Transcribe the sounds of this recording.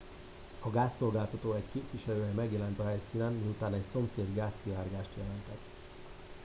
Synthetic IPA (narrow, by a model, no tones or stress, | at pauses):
ɒɡaːsːo̞lɡaːlt̪ɒt̪oːɛckeːpʋiʃɛløːjɛmɛɡjɛlɛnt̪ɒɦɛjsiːnɛnmiut̪aːnɛcso̞mseːd̪ɡaːsːiaːrɡaːʃt̪jɛlɛnt̪ɛt̪